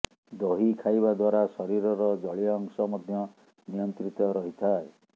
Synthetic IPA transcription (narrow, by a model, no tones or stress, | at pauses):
d̪ɔɦikʰajbad̪waɾasɔɾiɾɔɾɔd͡ʒɔɭiɔːŋsɔmɔd̪ʱjɔ | nijɔnt̪ɾit̪ɔɾɔɦit̪ʰae